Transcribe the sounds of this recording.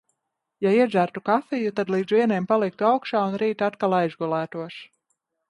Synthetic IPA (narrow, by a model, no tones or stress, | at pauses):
jaiɛʒæɾt̪ukafɛjut̪ad̪lˠiːd̪zviɛnɛːmpalˠik̚t̪uawkʃaːunɾiːt̪at̪kalˠajzɡulˠæːt̪uɔʃ